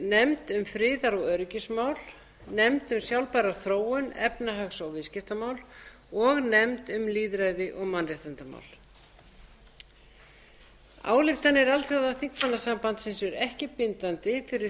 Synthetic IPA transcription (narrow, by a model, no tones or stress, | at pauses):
nɛmt̪ʏmfɾɪːðaɾɔɣœɾcɪsmaːwl | nɛmt̪ʏmsjawlpaɾaθɾoːwʏnɛ̰pnaɦaksɔɣvɪscɪft̪amaːwl | ɔɣnɛmt̪ʏmliːðɾajðɪʔɔɣmanrjɛht̪ant̪ama̰wl̥ | a̰ːwlɪxt̪anːɪɛɾalθjaðaθiŋkmanːasampant̪sɛnsvɛɾɛhcɪpɪnt̪ant̪ɪfɪɾɪ